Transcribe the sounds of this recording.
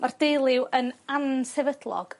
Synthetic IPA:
mard̥ejlˠɪwʔənansɛvədlˠɔ̰ɡ̥

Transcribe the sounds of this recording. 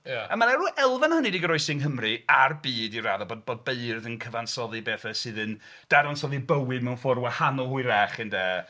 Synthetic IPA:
jaamanɛruʔɛlˠvanhənidiɡəɾɔɨsɪŋɦəmrɨarbiːdiraðɔbod̚boːd̚beɨrðənkʰəvansɔðɨbeːθasɨðən | d̥aɾansɔðibəwɪdmɛwnfɔrwahanɔlˠhʊɨɾɛχɨndɛ

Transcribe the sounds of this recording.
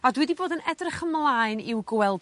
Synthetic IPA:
ɔdwɛdiboːdənɛdrɪχəmlˠaːɨnɪwɡwɛlˠ

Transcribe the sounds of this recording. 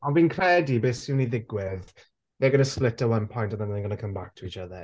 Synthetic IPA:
anviːnkʰɹ̥ɛdibɛsiniðɪɡwɪð | ðɛɡʌnəsplɪtəwʌ̃npʰɔ̃j̃ntənðə̃nənəɡʌnəkʰə̃mbak̚tʰəit͡ʃəðə

